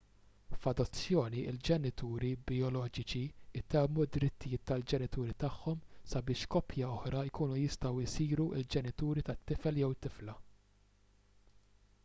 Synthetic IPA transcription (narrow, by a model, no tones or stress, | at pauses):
fɐd̪ɔt͡sːjɔːniɪld͡ʒɛnɪt̪uːɾibɪɔlɔːd͡ʒɪt͡ʃiɪt̪ɛmːud̪ːɾɪt̪ːɪjɪːt̪ːɐld͡ʒɛnɪt̪uːɾit̪ɐħːɔmsɐbɪːʃkɔpʰjɐɔħɾɐɪkuːnujɪst̪ɐwɪsiːɾuʔɪld͡ʒɛnɪt̪uːɾit̪ɐt̪ːɪfɛljɛwɪt̪ːɪflɐ